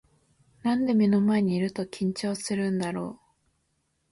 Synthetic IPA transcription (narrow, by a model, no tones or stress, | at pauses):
nãnd̪e̞mʲino̞maeɲ̟iːɾɯ̟t̪o̞kʲĩɲ̟t͡ɕo̞ːsɨɾɯ̟̃nd̪aɾo̞ː